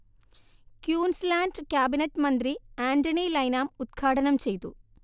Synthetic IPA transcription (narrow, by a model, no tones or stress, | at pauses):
kjuːnslaːnɖkʲjaːbinɐtːmɐnd̪riaːndɐɳilɐjnaːmud̪̚ɡʰʱaːʈɐnɐmt͡ɕe̞jt̪ṵ